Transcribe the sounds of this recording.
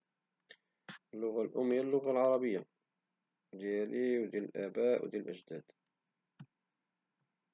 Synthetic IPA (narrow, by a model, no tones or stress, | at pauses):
ʔəlːʊɣalʔʊmːijalːʊɣalʕɑɾˤɑbəjːa | d̪jæliwd̪jæləlʔæbæʔwd̪jælʔə̰d͡ʒd̪æːd̪̥